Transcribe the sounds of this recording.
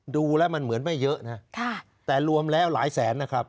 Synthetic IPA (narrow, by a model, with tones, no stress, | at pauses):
duː˧lɛː˦˥wma˧nmɯ˩˦ənma˥˩jːɤ˦˥ʔna˦˥t̪ʰa˥˩ | t̪ɛː˨˩ɾu˧əmlɛː˦˥˩wlaː˩˦jsɛː˩˦nːa˦˥kʰa˦˥p̚